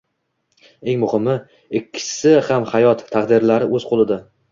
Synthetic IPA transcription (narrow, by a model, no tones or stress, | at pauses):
e̞ŋmʊhɪmɪ | ɪkʲʰːɪ̥sɪhamhajɒt̪ʰːaqd̪ɪɾlaɾɪʔɵzqʰolˠɪd̪a